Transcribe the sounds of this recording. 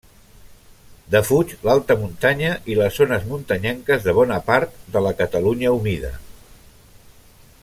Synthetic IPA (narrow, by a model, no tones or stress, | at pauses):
d̪əfut͡ʃlalˠt̪əmunt̪aɲəʔiləzːonəzmunt̪əɲɛŋkəzðəβ̞ɔnəpaɾt̪̚d̪ələkət̪əluɲəumiðə̰